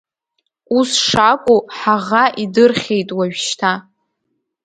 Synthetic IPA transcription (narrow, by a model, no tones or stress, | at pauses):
usʂakʷʼuħaʁaʔidɨrχʲejtʼwaɥᶣʃtʰa